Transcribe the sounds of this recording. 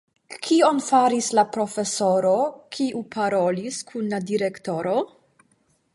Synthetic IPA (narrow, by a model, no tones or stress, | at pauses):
kʰio̞nfaɾislapɾo̞fe̞so̞ɾo̞kʰiʔupʰaɾo̞liskʰunladiɾekto̞ɾo